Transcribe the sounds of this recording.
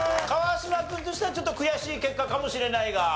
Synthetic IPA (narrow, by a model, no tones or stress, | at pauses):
kaβasɨmakːɯ̃t̪o̞ɕi̥t̪eat͡ɕo̞t̪ːo̞kɯ̟jaɕiːke̞kːakamo̞ɕiɾe̞naiɡa